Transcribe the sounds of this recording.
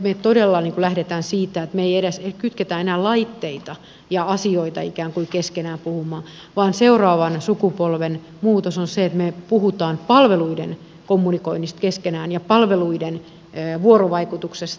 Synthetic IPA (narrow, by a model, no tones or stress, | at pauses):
met̪odelːɑniːŋkulæhɾet̪æːnsiːt̪æet̪meeijeɾesekyt̪ket̪æenæːlɑit̪ːeit̪ɑ | jɑɑsioit̪ɑikæːŋkuikeskenæːmpuhumˑɑː | ʋɑːnseurɑːʋɑnsukupolʋen | muːt̪osonseet̪mepuhut̪ɑːnpɑlʋeluiden | komːunikoinːist̪keskenæːnjɑpɑlʋeluidenː | ʋuoroʋɑikut̪uksest̪